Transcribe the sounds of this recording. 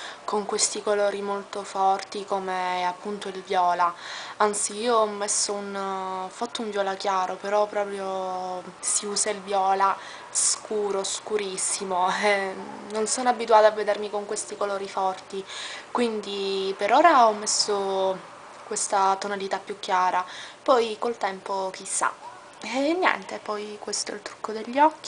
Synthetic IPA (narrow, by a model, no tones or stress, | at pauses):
koŋkwest̪ikoloːɾimolt̪ofɔrt̪ikomeapːunt̪oilvjɔːlaant̪siiːoɔmːesːounfat̪ːouɱvjɔːlakjaːɾopeɾɔpːɾɔːpɾjo | siuːsailvjɔːla | skuːɾoskuɾisːimoɛnonsonoabːit̪uaːt̪avːed̪ermikoŋkwest̪ikoloːɾifɔrt̪ikwind̪ipeɾoːɾaɔmːesːo | kwest̪at̪onalit̪apːjukːjaːɾapɔjkolt̪ɛmpok̟isːa̰ | nːjɛ̰nt̪epɔjkwest̪oɛ̰lt̪ɾu̥kːod̪eʎːɔkːi